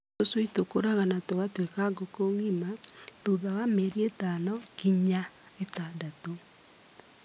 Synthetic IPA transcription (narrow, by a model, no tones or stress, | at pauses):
osoitokoɾaɣanatoɣatwekaɡokoŋimatoðawameɾietanɔkiɲa | etandato